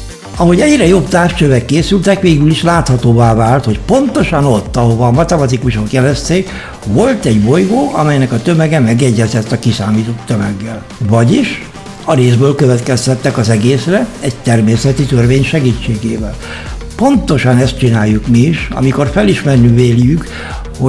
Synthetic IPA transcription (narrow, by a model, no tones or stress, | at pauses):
ɒɦoɟɛɟrɛjo̞bt̪aːrʃt͡ʃøvɛkːeːsylt̪ɛkʋeːɡyliʃlaːt̪hɒt̪oːvaːvaːlt̪ho̞cpo̞nt̪o̞ʃɒno̞t̪ːɒɦo̞vɒːmɒt̪ɛmɒt̪ikuʃokjɛlɛst̪eːk | vo̞lt̪ɛɟbo̞jɡoːʔɒmɛjnɛkɒt̪ømɛɡɛmɛɡɛɟːɛzɛt̪ːɒkisaːmiːt̪o̞t̪ːømɛɡːɛl | vɒɟiʃ | ɒɾeːzbøːlkøvɛt̪kɛst̪ɛt̪ːɛkɒzɛɡeːsrɛɛct̪ɛrmeːsɛt̪it̪ørveːɲʃɛɡiːt͡ʃːeːɡeːvɛl | po̞nt̪o̞ʃɒnɛst̪̚t͡ʃinaːjːukmiiʃɒ̰miko̞rfɛliʃmɛrnyveːljyk | ho